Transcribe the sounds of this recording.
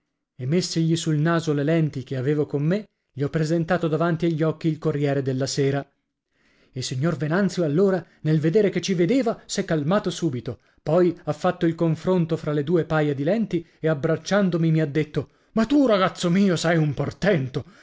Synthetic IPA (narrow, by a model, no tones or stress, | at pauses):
emːesːiʎisulnaːzolelɛnt̪ikeaveːvokomːe | ʎiɔpːɾezent̪aːt̪od̪avant̪iaʎːɔkːiːlkorjɛːɾed̪elːaseːɾa | ilsiɲːorvenant̪sjoalːoːɾa | nelved̪eːɾeket͡ʃːived̪eːvasɛkːalmaːt̪osuːbit̪o | pɔjafːat̪ːoilkoɱfɾont̪ofɾaled̪uːepajad̪ilɛnt̪i | eabɾat͡ʃːand̪omimiad̪ːet̪ːo | mat̪ːuraɡat̪sːomiːosɛjumport̪ɛnt̪o